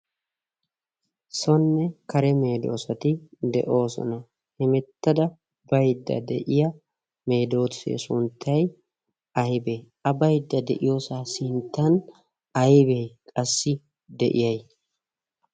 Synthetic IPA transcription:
sɔnːɛkɐɾɛme̞ːd̪o̞̰ːsɐt̪ɪd̪ɛ̰ʔo̞ːsɔ̰nɐ | hɛmɛt̪ːɐd̪ɐ | bɐjd̪ːɐ̰d̪ɛʔɪjɐ | me̞ːd̪o̞ːt̪sḛːsʊnt̪ʰːɐj | ɐjbeː | ɐbɐjd̪ːɐd̪ɛ̰ʔɪjo̞ːsaːsɪnt̪ːɐn | ɐjbeːkʼɐsːɪ | d̪ɛʔɪ̰jɐj

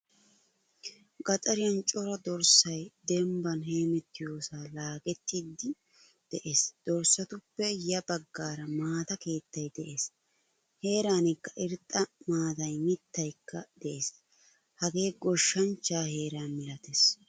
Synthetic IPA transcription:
ɡɐt͡sʼɐɾɪjɐnt͡ʃʼɔɾɐd̪ɔɾsɐjd̪ɛmbɐnɦe̞ːmɛt̪ːɪjoːsaːlaːɡɛt̪ːiːd̪ːɪ | d̪̥ɛʔe̞ːsd̪̥ɔɾsɐt̪ʊpːɛjɐbɐɡːaːɾɐmaːt̪ɐke̞ːt̪ːɐjd̪ɛʔe̞ːs | he̞ːɾaːnɪkːɐʔɪɾt̪ʼːɐmaːd̪ɐjmɪt̪ːɐjkːɐd̪̥ɛʔeːs | hɐɡe̞ːɡɔʃːɐnt͡ʃːaːhe̞ːɾaːnmɪlɐt̪es

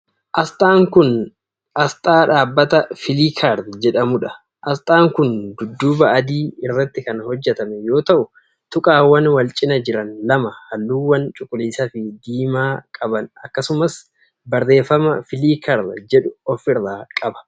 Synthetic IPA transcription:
ʔɐst̪ʼaːŋkʊn | ʔɐst̪ʼaːᶑaːbːɐt̪ɐfɪliːkʰaɾd̪d͡ʒɛᶑɐmʊᶑɐ | ʔɐst̪ʼaːŋkʊnd̪ʊd̪ːuːbɐʔːd̪iːɪrːɐt̪ːɪkɐnhɔd͡ʒːɛt̪ɐmɛjo̞ːt̪ɐʔʊ | t̪ʊkʼaːwːɐnwɐlt͡ʃʼɪnɐd͡ʒɪɾɐnlɐmɐhɐlːuːwːɐnt͡ʃʼʊkʼːʊliːsɐfɪd̪iːmaːkʼɐbɐnɐkːɐsʊmɐs | bɐrːe̞ːfːɐmɐfɪliːkʰɐɾd̪d͡ʒɛᶑʊɔfɪrːaːkʼɐbɐ̥

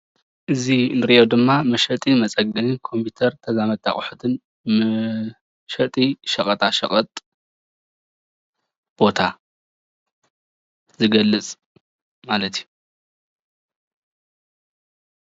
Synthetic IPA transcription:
ʔɨzinɨɾiʔod̪ɨmːamɐʃɐt̪ʼimɐt͡sʼɐɡɨnɨkʰo̞mpʰit̪ʰɐɾt̪ʰɐzamɐt̪ʼːa̰χʼħut̪ʰɨn | m | ʃɐt̪ʼiʃɐkʼɐt̪ʰʼaʃɐχʼɐt̪ʼ | b̥o̞t̪ʰa | zɨɡɐlːɨt͡sʼ | malɐt̪ʰju

